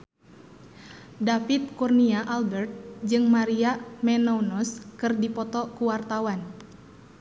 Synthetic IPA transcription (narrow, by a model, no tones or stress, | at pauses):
dafit̪̚kurniaʔalbɛrt̪̚d͡ʒɨŋmaɾiamɛnɔunɔskɨrdipɔt̪ɔkuwart̪awan